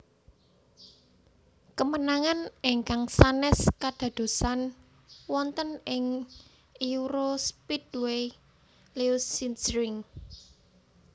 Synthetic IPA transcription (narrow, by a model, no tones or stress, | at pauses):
kəmənaŋanɪŋkaŋsanɛskad̪̥ä̤d̪̥o̤san | wɔnt̪ənɪŋ | ʔiuɾospid̪we | leusinsɾɪŋ